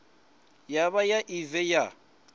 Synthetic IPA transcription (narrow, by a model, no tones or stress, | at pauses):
jaβajaʔivɛja